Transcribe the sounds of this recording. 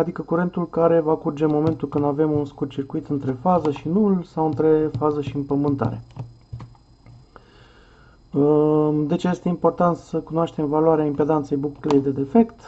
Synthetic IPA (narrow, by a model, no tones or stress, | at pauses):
ad̪ikəkuɾe̞nt̪ulkaɾe̞vakurd͡ʒe̞mo̞me̞nt̪ulkɨnd̪ave̞munskurt̪̚t͡ʃirkuit̪ɨnt̪ɾe̞fazəʃinulsawɨnt̪ɾe̞fazəʃiɨmpəmɨnt̪a̰ɾe̞̰ | d̪e̞t͡ʃje̞st̪e̞impo̞rt̪ant̪səkunoaʃt̪e̞mvalwaɾeaimped̪ant̪se̞jbukleejd̪e̞d̪e̞fe̞kt̪